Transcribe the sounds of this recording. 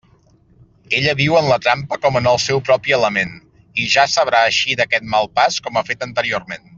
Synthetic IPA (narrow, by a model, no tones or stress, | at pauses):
eʎəβiwənlət̪ɾampəkɔmənəlˠsɛwpɾɔpiələmen | iʒasəβ̞ɾaəʃiðəkɛt̪̚malˠpaskɔmafet̪ənt̪əɾiormen